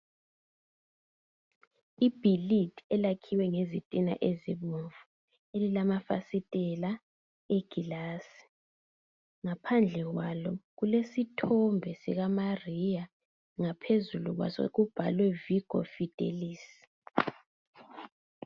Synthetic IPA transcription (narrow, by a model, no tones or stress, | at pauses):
ib̥ʱilitʰʼɛlakʰiwɛŋezitʼina̰ʔeziβuɱvu | elilamafa̰sitʼɛla | eɡ̥ʱilaːsi̥ | ŋapʰand͡ɮʱɛɣwalɔɣulesitʰɔmbʱɛsḭɣamarija | ŋapʰezuluɣwa̰so̰ɣub̥ʱalwɛviɡ̥ʱɔ̰fid̥ʱḛliːsi̥